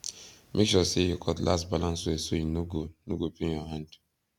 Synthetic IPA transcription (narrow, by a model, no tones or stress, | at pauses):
mʔekʃɔsejukʰɔtla̰stbalãnsweesojinoɡonoɡopinjɔɦãnd